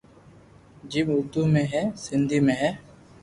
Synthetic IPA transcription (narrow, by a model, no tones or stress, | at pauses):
d͡ʒiɓʊɾd̪uːmẽːɦɛːsɪnd̪ʱiːmẽːɦɛː